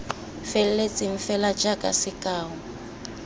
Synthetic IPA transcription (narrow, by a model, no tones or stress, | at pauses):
fɛllet͡sʼɪɱ̩fɛlḁd͡ʒakʼa̰sɪkʼaːɦɔ